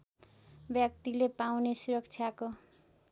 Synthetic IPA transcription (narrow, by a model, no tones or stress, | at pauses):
bjak̚t̪ilepawnesuɾʌkt͡sʰjako